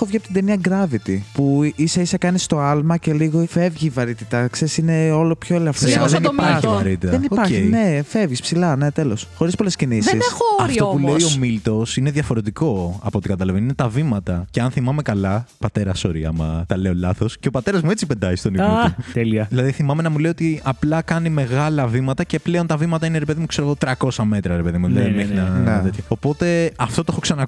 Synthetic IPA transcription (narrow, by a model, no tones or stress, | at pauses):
o̞vʝiɐpot̪id̪eniɐɡɾɐvit̪ipuisɐisɐkɐnist̪o̞ɐlmɐce̞liɣo̞fe̞vʝivɐɾit̪it̪ɐksesine̞o̞lopçoelɐfðeniɐɾit̪it̪ɐðeniopɐɾenefe̞vʝispsilɐne̞t̪e̞lo̞sxo̞ɾispo̞le̞scinisðinexooɾit̪oouleiomilt̪o̞sineðjɐfo̞ɾe̞t̪iko̞ɐpot̪ikɐt̪ɐlɐveninet̪ɐvimɐt̪ɐceɐnθimɐme̞kɐlɐpɐt̪e̞ɾɐso̞ɾiɐ̰mɐt̪ɐle̞o̞lɐθo̞sceopɐt̪e̞ɾɐzmue̞t͡sipend̪ɐzist̪onit̪eliɐðilɐðiθimɐmenɐmule̞iot̪iɐplɐkɐnime̞ɣɐlɐvimɐt̪ɐce̞pleo̞nt̪ɐvimɐt̪ɐineɾepe̞ðimukseɾoɣo̞t̪ɾɐko̞sɐme̞t̪ɾɐɾepe̞ðimuðlɐimeçinɐt̪et̪ʰçoopo̞t̪e̞ɐft̪ooexoksɐnɐ